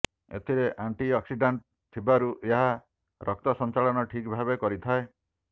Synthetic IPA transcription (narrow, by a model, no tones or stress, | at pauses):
ḛt̪ʰiɾeʔaɳʈiɔksiɖaɳʈ̚ | t̪ʰibaɾuʔeɦa | ɾʔɔk̚t̪ɔsɔnt͡ʃaɭɔnɔʈʰikbʱabekɔɾit̪ʰae